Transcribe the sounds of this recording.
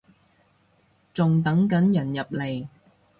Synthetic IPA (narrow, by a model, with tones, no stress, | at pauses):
t͡sʊ˨ŋt̪ɐ˨˥ŋkɐ˨˥njɐ˨˩njɐ˨p̚le˨˩j